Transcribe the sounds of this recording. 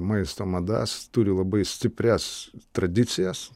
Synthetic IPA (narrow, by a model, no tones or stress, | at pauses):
mɐɪst̪oːmɐd̪ɐ̰st̪uɾʲɪlˠɐbɐɪsʲt̪ʲɪpʲɾʲɛst̪ɾɐd̪ʲɪt̪sʲɪjɛs